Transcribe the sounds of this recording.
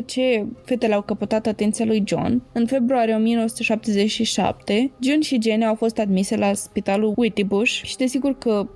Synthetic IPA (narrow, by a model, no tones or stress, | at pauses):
t͡ʃe̞fe̞t̪eleawkəpət̪at̪at̪e̞nt̪sialujd͡ʒo̰nɨnfe̞bɾuaɾije̞o̞mije̞nowəsu̥t̪əʃap̚t̪ezet͡ʃʃiʃa̰p̚t̪e̞d͡ʒonʃid͡ʒe̞neawfo̞st̪ad̪mise̞laspit̪aluit̪ibuʃʃi̥d̪e̞siɡurkə